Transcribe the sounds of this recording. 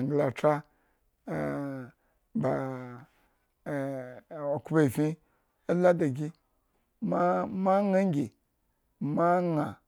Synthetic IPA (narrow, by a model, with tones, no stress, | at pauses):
ŋɡla˨t͡ʃa˦˨ | ba˨ | o˨ku˦ba˦i˨fʲi˦ | o˦la˦da˨ɡʲi˦ | ma˦ma˦ŋa˦ŋ˦ɡʲe˨ | ma˦ŋa˨